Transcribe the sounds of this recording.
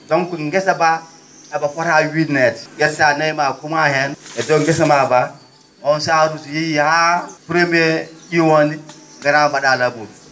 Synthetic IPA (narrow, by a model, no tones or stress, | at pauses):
doŋkunŋɡesaba | abafoɾawidnetɡesanajmakumahenedoŋɡes̬amaba | onsaɾusujijihapɾemieiwoniŋɡaɾamaɗalabul